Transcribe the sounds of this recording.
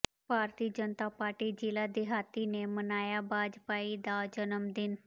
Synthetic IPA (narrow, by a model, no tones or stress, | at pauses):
bʱaːɾt̪iːəd͡ʒənət̪apaːɾʈid͡ʒilad̪iɦat̪inemənaːjabaːd͡ʒpaid̪ad͡ʒənəmd̪ɪn